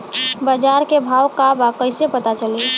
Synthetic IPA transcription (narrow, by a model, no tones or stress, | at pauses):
bəd͡ʒaɾkebʱawkabakəɪsepət̪at͡ʃəli